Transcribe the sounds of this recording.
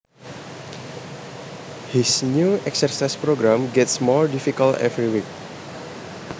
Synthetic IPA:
hisnjuɛksərsaspɾoɡɾãmɡɛtsmɔɹdifikaltɛ̰vɾiwik̚

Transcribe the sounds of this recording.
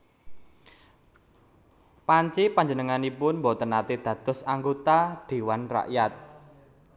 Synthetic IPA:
paɲt͡ʃipaɲd͡ʒənəŋanipʊnmbɔt̪ənat̪id̪̥ä̤d̪̥ɔ̤saŋɡot̪ad̪̥e̤wanra̰ʔjat̪̚

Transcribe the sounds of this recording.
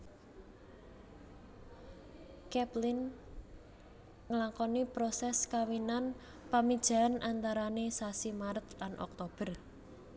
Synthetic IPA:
kɛplɪn | ŋəlaŋkɔnipɾɔsɛskawinan | pamid̥ʒ̥a̤anʔant̪aɾanesasimaɾət̪lanʔɔ̰k̚t̪ob̥ər

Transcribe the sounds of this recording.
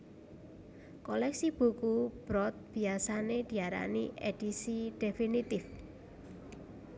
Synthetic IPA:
kɔlɛksib̥ṳkub̥ɾɔt̪̚b̥i̤asaned̪̥i̤aɾa̰niʔed̥isiɖ̥efinit̪ɪf

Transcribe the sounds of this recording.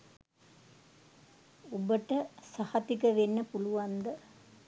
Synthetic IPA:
obəʈəsahɐt̪ikəʋenːəpuluʋand̪ə

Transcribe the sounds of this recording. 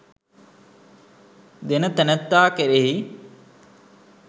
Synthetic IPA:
d̪enət̪ænət̪ːaːkeɾeɦi

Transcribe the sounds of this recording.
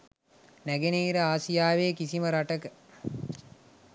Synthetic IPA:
næɡeniːɾəaːsijaːʋeːkisiməɾaʈəkə

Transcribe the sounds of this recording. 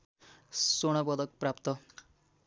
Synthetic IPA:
soɽ̃ʌpʌd̪ʌk̚prap̚t̪ʌ

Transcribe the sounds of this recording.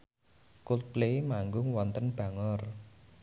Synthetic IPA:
kulplemaŋɡʊŋwɔnt̪ənb̥a̤ŋɔr

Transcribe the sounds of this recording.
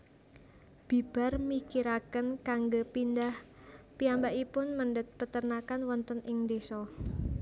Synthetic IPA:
b̥i̤b̥a̤rmikiɾakənkaŋɡopindah | piambaʔipʊnmənɖət̪̚pət̪ərnakanwɔnt̪ənɪŋnd̪esɔ

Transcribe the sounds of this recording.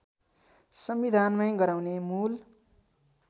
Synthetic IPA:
sʌmbid̪ʱanmʌjɡʌɾaw̃nemul

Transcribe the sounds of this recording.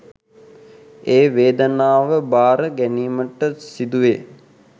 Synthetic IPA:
eːʋeːd̪ənaːʋəbaːɾəɡæniːməʈəsid̪uʋe

